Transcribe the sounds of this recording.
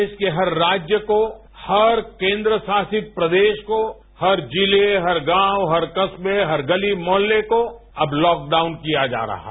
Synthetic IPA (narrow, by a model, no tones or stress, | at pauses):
ʃkeɦɐɾːaːd͡ʒjəko | hɐɾkẽːnd̪ɾəsaːsɪt̪̚pɾɐd̪eːʃko | hɐɾd͡ʒɪleɦɐɾɡãːwɦɐɾkɐsbeɦɐɾɡɐlimɔːlːeko | ɐblɔːk̚ɖaːʊnkijad͡ʒa̰ːɾɐ̰ɦa